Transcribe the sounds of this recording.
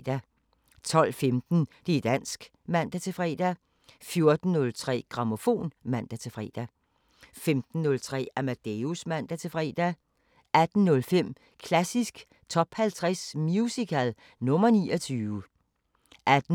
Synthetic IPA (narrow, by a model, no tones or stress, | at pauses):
d̥æ | t͡sʰɒ̽l̰femd̥n̩d̥ed̥æn̰sɡ̥ | mæn̰d̥æt͡sʰe̝fʁɛ̰ːd̥æ | fjo̝ɐd̥n̩ːɔ̽lt͡sʰʁɛ̰ːɡ̥ʁɑ̈mo̝fo̝̰ːnmæn̰d̥æt͡sʰe̝fʁɛ̰ːd̥æ | femd̥n̩ːɔ̽lt͡sʰʁɛ̰ːæmæd̥eusmæn̰d̥æt͡sʰe̝fʁɛ̰ːd̥æ | æd̥n̩ːɔ̽lfem̰ | kʰlæsisɡ̥ | t͡sʰɒ̽b̥hælt͡sʰʁɛsmjusikʰæl | nɔ̽mɐniːɒt͡sʰyːʋə | ʔæd̥n